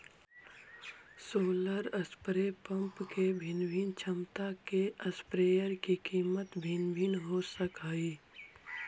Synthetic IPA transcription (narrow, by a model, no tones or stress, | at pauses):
soːləɾəspɾepə̃mpkebʱɪnbʱɪnt͡ʃʰəmt̪akeəspɾeːjəɾkikiːmət̪bʱinbʱɪnɦosəkaːiː